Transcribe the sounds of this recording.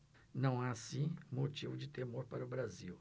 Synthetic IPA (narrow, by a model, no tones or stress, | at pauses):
nɐ̃w̃aasĩmot͡ʃivʊd͡ʒɪt̪emoɾpaɾʊbɾaziw